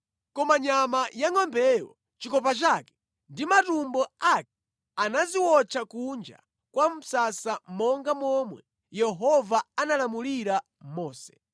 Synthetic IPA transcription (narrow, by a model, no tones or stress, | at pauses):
kɔmaɲamajaŋɔmbɛwɔ̰ | t͡ʃikɔp̬at͡ʃakɛ̥ | ndimatumbɔakɛ | anaziwɔt͡ʃʰakund͡ʒa̰ | kwam̩sasamɔŋɡamɔmwɛ | jɛɦɔvaanalamuliɾa | mɔːsɛ̥